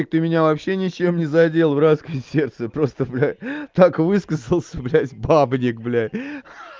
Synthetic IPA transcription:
ɪk̚t̪ɨmʲɪnʲavɐpɕːe̞nʲɪt͡ɕe̞mnʲɪzɐdʲe̞lˠvɾat̪skəjsʲe̞rt̪səpɾo̞st̪əblʲæt̪akvɨskəzəlˠsʲəblʲætʲbabnʲɪkblʲætʲ

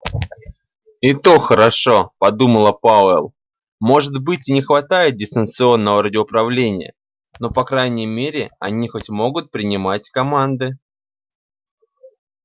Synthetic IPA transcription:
ɪt̪o̞xəɾɐʂo̞pɐd̪uməlˠəpaɛlˠ | mo̞ʐɨt̪bɨtʲɪnʲɪxvɐt̪ajɪt̪̚dʲɪst̪ənt̪sɨo̞nːəvəɾədʲɪʊpɾɐvlʲenʲɪjə̰ | no̞pɐkɾajnʲɪjəmʲeɾʲɪɐ̰nʲixo̞tʲmo̞ɡʊt̪̚pɾʲɪnʲɪmatʲkɐmand̪ɨ

